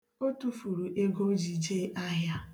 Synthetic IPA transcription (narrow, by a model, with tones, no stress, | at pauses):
o˦tu˦fu˨ɾu˨ʔe˦ɡo˦d͡ʒi˨d͡ʒe˦ʔa˦ɦja˦